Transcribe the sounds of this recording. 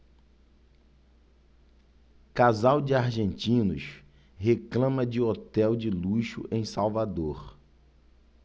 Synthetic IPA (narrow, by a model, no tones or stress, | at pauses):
kazawd͡ʒɪaɾʒẽnt͡ʃĩnʊ̰ʃ | ɦeklɐ̃mɐd͡ʒɪot̪ɛwd͡ʒɪluʃʊ̰ʔẽj̃sawvad̪oχ